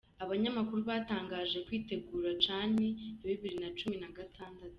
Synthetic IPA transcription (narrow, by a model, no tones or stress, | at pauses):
aβaɲamakuɾuβaːtaːŋɡaːʒe̞kwiːte̞ɡuːɾat͡ʃaːne̞eβiβiɾinat͡ʃuminaɡatʰaːndatu̥